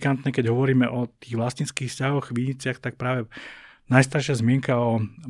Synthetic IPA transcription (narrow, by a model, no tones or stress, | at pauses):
kant̪ɲɛkɛɟɦɔʋɔɾiːmɛʔɔt̪iːɣʋlasɲit͡skiːxfscaɦɔɣʋiɲit͡sɪaxt̪ak̚pɾaːʋɛnajst̪aɾʃɪazmɪɛŋkaɔ